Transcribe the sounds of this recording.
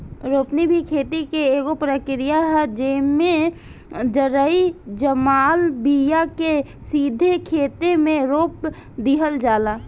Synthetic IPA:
ɾoːpnibʱikʰeːt̪ikeeːɡopɾəkɾijaɦɛd͡ʒeːmẽ | d͡ʒəɾəid͡ʒəmaːlbijake | siːd̪ʱekʰeːt̪emẽɾoːp̚ | d̪iɦəld͡ʒaːla

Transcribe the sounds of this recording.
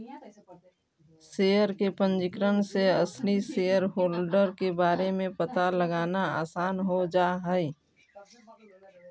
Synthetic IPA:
seːjəɾkepə̃nd͡ʒɪkɾənseəslisejəɾɦoːlɖəɾkebaːɾemẽpət̪aləɡaːnaa̰ːsaːnɦod͡ʒaːɦɛi

